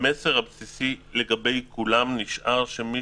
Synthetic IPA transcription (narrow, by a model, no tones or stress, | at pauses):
meseʁhabsisile̞ɡabe̞jkʰulamniʃʔaʁʃemi